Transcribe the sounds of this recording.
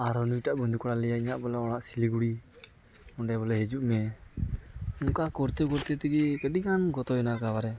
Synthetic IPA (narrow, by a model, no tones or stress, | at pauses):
aɾɔnuʈaʔbɔnd̪ukɔɽalɛjaiɲaʔbɔlɛɔɽaʔsiliɡuɽi | ɔɳɖɛbɔlɛɦɛd͡ʒuʔmɛ | ɔŋkakɔɾt̪ɛkɔɾt̪ɛt̪ɛɡikɛɗiɡanɡɔt̪ɔɛnakabaɾɛ